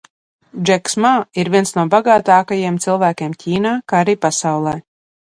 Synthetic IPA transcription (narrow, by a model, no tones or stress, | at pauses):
d͡ʒɛksmaiɾvʲiɛnsnuɔbaɡaːt̪aːkajiɛmt̪sɨlˠvæːkʲeɛmcʲʰiːnaːkaːaɾiːpasawlˠɛː